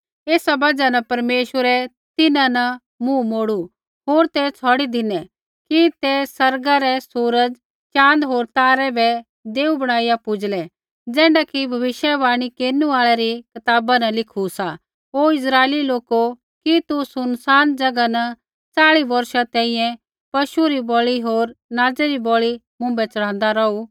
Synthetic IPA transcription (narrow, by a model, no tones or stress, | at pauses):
eːsabɐd͡ʒanɐpɐɾmeːʃwəɾɛ | t̪ɪnãnɐ | mũmoːɽu | ɦoːɾt̪ɛt͡sʰɔːɽid̪ɪnɛ | kit̪ɛsɐɾɡaɾɛsuːɾəd͡ʒ | t͡ʃãːnd̪ɦoːɾt̪aːɾɛbɛ | d̪eːubɐɽ̃aːijapʊd͡ʒlɛ | d͡zɛ̃ːɳɖakibʱɐʋɪʃjɛbaːɽ̃ikeːnuaːɭɛɾikɐt̪aːbanɐlɪkʰusa | ɦoːɪs̬ɾaːeːliloːko | kit̪usʊnsaːnd͡ʒɐɡanɐ | t͡saːɭibɐɾʃat̪ɛ̃ːĩːjɛ̃ | pɐʃuɾibɔːɭiɦoːɾnaːd͡zɛɾibɔːɭi | mʊ̃mbɛt͡sɐɽ̤̃ãːnd̪aɾɔu